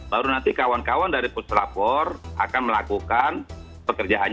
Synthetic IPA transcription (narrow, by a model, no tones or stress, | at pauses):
baɾunant̪ikawankawandaɾipuslapɔra̰kanməlakukan | pəkərd͡ʒaʔaɲ